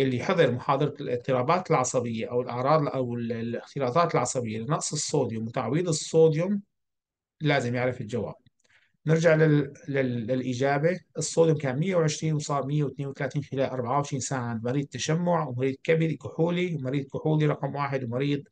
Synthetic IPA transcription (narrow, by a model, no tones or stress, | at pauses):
ʔɪlːiħɑðˤɨɾmʊħɑːd̪ˤɨɾˤɑlʔɪ̰tt̪ːɨɾɑːbaːt̪ɪlʕɑsˤɑbɪjːaʔawɪlʔɑʕɾˤɑːd̪ˤʔawɪlɪxt̪ɪlɑːt̪ˤɑːt̪ɪlʕɑsˤɑbɪjːalɪnɑʔsˤɨsˤːoːd̪jʊmwɪt̪aʕwiːd̪ˤɨsˤːoːd̪jʊm | laːzɪmjɪʕɾɪfɪld͡ʒawa̰ːb̚ | nɪɾd͡ʒaʕlɪlɪɪlʔiːd͡ʒaːbeʔɨsˤːoːd̪jʊmkaːnmɪjːawʕɪʃɾiːnwsˤɑːɾˤmɪjːawɪt̪neːnwt̪alaːt̪iːnxɪlaːlʔɑɾˤbaʕawʕɪʃɾiːnsaːʕad̪mɑɾiːd̪̚t̪ːaʃamːʊʕwmɑɾiːd̪̚kabikʊħuːliwmɑɾiːd̪̚kʊħuːliɾˤɑqmwaːħɪd̪wmɑɾiːd̪̚ˤ